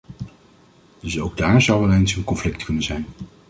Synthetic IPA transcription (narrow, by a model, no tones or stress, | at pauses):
d̥ɵsowɡ̚daːɹzʌwʋɛlˠejnsənkɔnflɪktkɵnənzɛjn